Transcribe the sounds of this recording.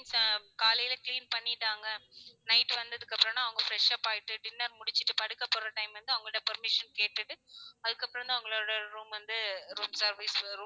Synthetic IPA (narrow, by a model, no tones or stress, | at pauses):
nskaːlɐjɪlɐkliːnpɐɳːɪʈːaːŋɡɐnɐɪʈːʋɐnd̪ɐðɯkːɐpːɯɾɔ̃mnːãːɐʋɐŋɡɐfɾɛʂaːpaːjɪʈːɯʈɪnːɐɾmʊɽɪt͡ʃːɯʈːɯpɐɽɯkːɐpːɔɾːɐʈɐɪmʋɐnd̪ɯɐʋɐŋɡɐɭɯɽɐpɐɾmɪʂɐnkeːʈːɯʈːɯɐðɯkːɐpːɯɾɐ̃ɐnd̪aɐʋɐŋɡɐɭoːɽɐɾuːmʋɐnd̪ɯɾuːmsɐɾʋisɾuː